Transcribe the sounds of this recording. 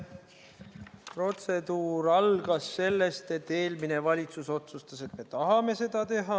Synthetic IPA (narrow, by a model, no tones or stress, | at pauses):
pro̞t̪se̞d̪uːɾɑlɡ̥ɑsːe̞lːe̞st̪e̞t̪ːe̞ːlmine̞vɑlʲit̪suso̞t̪sust̪ɑse̞t̪me̞t̪ɑɦɑme̞se̞d̪̥ɑt̪e̞ɦɑ